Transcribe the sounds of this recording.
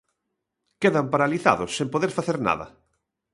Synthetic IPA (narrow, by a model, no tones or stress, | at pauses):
keðɐmpaɾaliθa̰ðʊsːẽmpoðeɾfaθeɾna̰ðɐ̰